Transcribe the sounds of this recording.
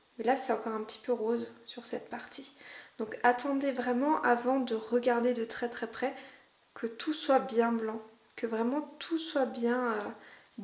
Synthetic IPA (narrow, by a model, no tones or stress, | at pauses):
mɛlasɛɑ̃kɔʁɛ̃pə̥t̪i̥pøʁozsyʁsɛt̪̚paʁt̪ʰid̪̥ɔ̃kat̪ɑ̃d̪evʁɛmɑ̃ʔavɑ̃d̪əʁəɡaʁd̪ed̪ət̪χɛt̪χɛpχɛ | kʰət̪ʰuswabjɛ̃blɑ̃ | kəvʁɛmɑ̃t̪ʰuswabjɛ̃ø